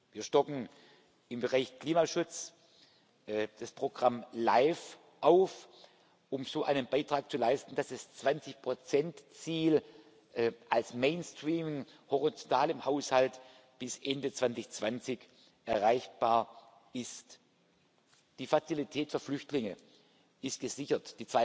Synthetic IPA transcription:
viːɐʃtɔkŋ̩ | ʔɪmbəʁaɪçkl̥iːmaʃʊt͡s | d̥aspʁ̥oɡ̥ʁamlaɪf | ʔaʊf | ʔʊmzoːʔaɪnənbaɪtʁ̥aːk̚t͡sulaɪstn̩d̥asast͡sv̥ant͡sɪçpʁ̥ot͡sɛntt͡siːl | ʔɛʔalsmeɪnstʁ̥iːmɪŋhoʁit͡sontʰaːlɪmhaʊshalt | b̥ɪsʔɛndət͡sv̥ant͡sɪçt͡sv̥ant͡sɪç | ʔɛɐʁaɪçb̥aːɐ | ʔɪst | d̥iːfat͡silitʰɛːtfyːɐflʏçtlɪŋə | ʔɪstɡ̥əzɪçɐtd̥iːt͡sv̥aɪ

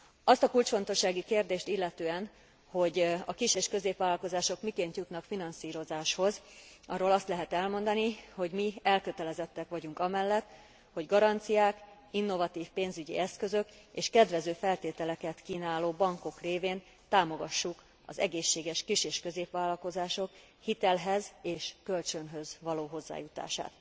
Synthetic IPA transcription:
ɒst̪ɒkult͡ʃfo̞n̪t̪o̞ʃːaːɡikeːrd̪eːʃt̪ilːɛt̪øːɛn | ho̞ɟɒkiʃeːʃkøzeːpʋaːlːɒlko̞zaːʃo̞kmikeːnt̪jut̪nɒkfinɒnsiːɾo̞zaːʃho̞zɒrːoːlɒst̪lɛɦɛt̪ɛlmo̞nd̪ɒniho̞ɟmiɛlkø̞t̪ɛlɛzɛt̪ːɛkʋɒɟuŋkɒmɛlːɛt̪ː | ho̞ɟɡɒɾɒnt̪sijaːk | inːo̞vɒt̪iːfpeːnzyɟḭɛskø̞zøk | eːʃkɛd̪ʋɛzøːfɛlt̪eːt̪ɛlɛkɛt̪kiːnaːloːbɒŋko̞kreːveːn | t̪aːmo̞ɡɒʃːuk | ɒ̰zɛ̰ɡeːʃːeːɡɛʃkiʃeːʃkø̞zeːpʋaːlːɒlko̞zaːʃo̞k | hit̪ɛlɦɛzeːʃkø̞lt͡ʃønɦø̞zʋɒloːɦo̞zːa̰ːjut̪a̰ːʃa̰ːt̪

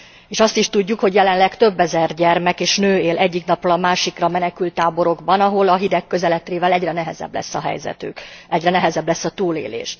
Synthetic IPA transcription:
eːʃɒst̪iʃt̪uɟːukho̞ɟjɛlɛnlɛkt̪ø̞bːɛzɛrɟɛrmɛkeːʃnøːeːlʔɛɟːiknɒprolɒmaːʃikrɒmɛnɛkylt̪ːaːbo̞ɾo̞ɡbɒnɒɦo̞lɒɦid̪ɛkːø̞zɛlɛt̪reːvɛlɛɟrɛnɛɦɛzɛ̰bːlɛ̰sːɒɦɛ̰jzɛ̰t̪ø̰ːkɛɟrɛnɛɦɛzɛblɛsːɒt̪uːlḛːlḛːʃ

